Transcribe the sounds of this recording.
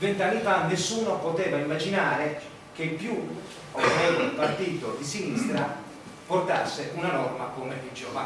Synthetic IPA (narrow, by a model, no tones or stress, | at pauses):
vent̪anːifanːesːuːnopot̪ɛːvaimːad͡ʒinaːɾe | k̟epːju | ovɾɛulpart̪iːt̪od̪isinist̪ɾa | port̪a̰sːeʔunanɔrmakomeid͡ʒova̰